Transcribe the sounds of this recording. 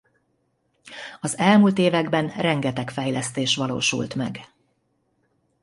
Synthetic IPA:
ɒzɛlmult̪eːvɛɡbɛnrɛŋɡɛt̪ɛkfɛjlɛst̪eːʃʋɒlo̰ːʃṵlt̪mɛ̰ɡ

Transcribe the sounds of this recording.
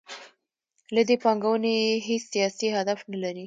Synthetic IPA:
lad̪epɑŋɡawəneɦesːijɑsihad̪afnalaɾi

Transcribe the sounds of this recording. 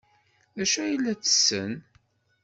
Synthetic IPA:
ðæʃæjilːæt͡sə̥sːən

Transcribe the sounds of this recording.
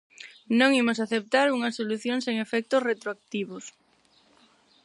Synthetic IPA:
nõŋimos̬aθep̚t̪aɾuŋɐsoluθjoŋseŋefɛk̚t̪osret̪ɾoak̚t̪iβos

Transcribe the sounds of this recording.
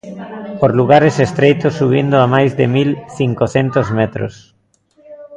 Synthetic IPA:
poɾluɣaɾesest̪ɾejt̪osːuβ̞ind̪oamajzðemilθiŋkoθent̪ozmɛt̪ɾo̰s

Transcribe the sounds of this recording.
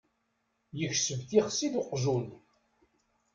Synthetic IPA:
jəçsəvθiχsid̪ʊqːʒun

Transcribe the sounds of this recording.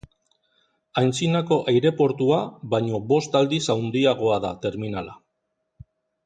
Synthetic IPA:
ajnt͡sinako̞ʔajɾe̞po̞ɾt̪uaβajɲo̞βo̞st̪ald̪isawnd̪iaɣ̞o̞aðat̪e̞ɾminala

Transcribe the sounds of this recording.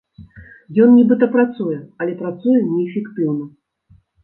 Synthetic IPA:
jɔnnʲibɨt̪ɐpɾat̪sujɛɐlʲɛpɾat̪sujɛnʲɛːfʲɛkt̪ɨwnɐ

